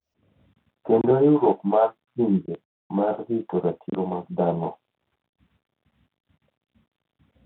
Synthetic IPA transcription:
kendojuɾokmarkimbe | marːitoɾatʰiɾomad̪anɔ

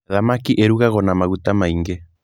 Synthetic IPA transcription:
ðamakiʔeɾuɣaɣɔnamaɣutamaiŋɡe

